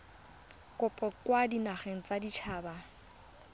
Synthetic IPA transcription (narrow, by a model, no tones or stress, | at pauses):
kʼʊpʼɔkwadinaχeŋ̩t͡sadit͡ʃʰaːba